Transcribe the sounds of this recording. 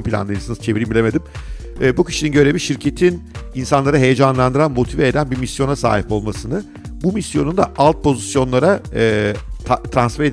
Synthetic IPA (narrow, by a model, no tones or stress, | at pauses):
mpʰilʲa̰nˠɯjnɯsɯnɯz̥t͡ʃʰe̞viɾimbilʲeme̞d̪im | ɛːbucʰi̥ʃininɟø̞ɾe̞viʃiɾcʰe̞t̪ʰininsanlˠaɾɯɦe̞je̞d͡ʒanlˠand̪ɯɾanmo̞t̪ʰivɛed̪ænbimisjo̞nasa̰ːɦipo̞lˠmasɯnɯ | bumisjo̞nund̪aʔalˠt̪̚pʰo̞zisjo̞nlˠaɾaː | t̪ʰɾansfæɾed̪